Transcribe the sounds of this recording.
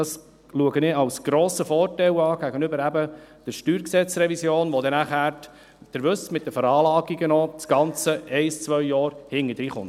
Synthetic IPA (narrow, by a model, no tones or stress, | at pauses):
dɑs | luəɡənɪɑwsɡ̥ɾɔːsəfɔːrtɛwɑːɡ̥æɡənʏbəɾæbəd̥əɾʃtyːɾksɛt͡sɾɛvisjoːnʋod̪ɛnæχæːɾt | d̥əɾvʏsmɪt̚d̥əfəɾɑːlɑːɡiɡənot͡sɡ̥ɑnt͡səʔɛɪst͡svœʏjɑːɾhɪŋːədɾiːχʊnt